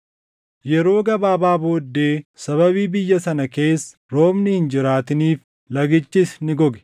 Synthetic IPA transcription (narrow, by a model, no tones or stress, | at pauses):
jɛɾo̞ːɡɐbaːbaːbo̞ːd̪ːe̞ːsɐβɐβiːbɪjːɐsɐnɐke̞ːsːɐ̥ɾo̞ːmnɪhɪnd͡ʒɪɾaːt̪ɪniːf | lɐɡɪt͡ʃːɪsnɪɡɔɡɛ̥